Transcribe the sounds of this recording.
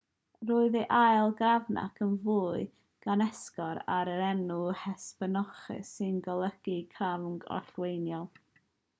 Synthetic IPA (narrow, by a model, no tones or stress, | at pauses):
ruːɨðiʔajlˠɡravna̰kʰənvuːɨ | ɡ̥anɛskɔɾaɾəɾɛnuhɛspənɔχɨ̰sɨnɡɔlˠəɡ̥ikʰavɡɔ̰rɬwejnjɔlˠ